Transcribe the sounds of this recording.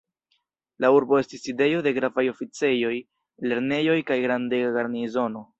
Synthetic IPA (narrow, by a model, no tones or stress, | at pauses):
lauɾbo̞e̞stiside̞jo̞de̞ɡɾavajo̞fit͡se̞jo̞j | le̞ɾne̞jo̞jkajɡɾandeɡaɡaɾnizo̞no̞